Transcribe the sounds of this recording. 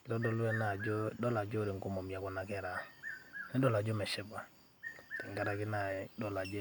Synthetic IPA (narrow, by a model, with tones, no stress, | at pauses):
kɪ˨ɾɔ˦dɔ˦lu˦ɛ˦na˨d͡ʒo˦dɔ˦la˨d͡ʒo˦ɾi˨ŋ˨ko˦mo˨mja˨kɔ˨na˨kɛ˦˨ɾa˨ | nɛ˦dɔ˦la˨d͡ʒo˦mɛ˨ʃɪ˦ba˨ | tɛ˨ŋɡa˦ɾa˨kɪ˦na˨dɔ˨la˨d͡ʒe˦